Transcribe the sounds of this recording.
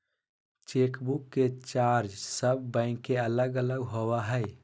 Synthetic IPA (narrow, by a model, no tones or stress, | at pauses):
t͡ʃekbukːet͡ʃaɾd͡ʒsəb̚ːə̃ɪ̃kːeələɡələɡɦowaɦəj